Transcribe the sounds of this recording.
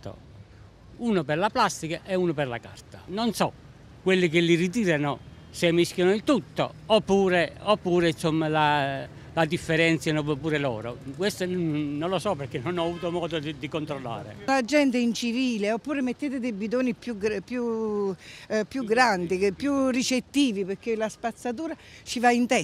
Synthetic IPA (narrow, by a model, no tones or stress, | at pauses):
t̪o̰ | uːnopɛrlaplast̪ikaʔɛuːnopɛrla̰ka̰rt̪anonsɔ | kwelːɪk̬ɪlːirit̪̬iːɾano | semisk̟jɔnoilt̪ut̪ːo̰opːuːɾeopːuːɾeinsomːalalad̪ifːɛɾɛnt̪sjanopuːɾelɔ̰ːɾo̰kwest̪ononlːosɔpːeɾkːenonɔavuːt̪omɔːd̪od̪id̪ikont̪ɾolːa̰ːɾḛlad͡ʒɛnt̪eint͡ʃiviːleopːuːɾemet̪ːeːt̪ed̪ebid̪oːnipjuɡpju | pjuɡɾand̪ipːjurit͡ʃet̪ːiːvipeɾk̟ːelaspat̪sːat̪̬uːɾat͡ʃivaint̪ɛ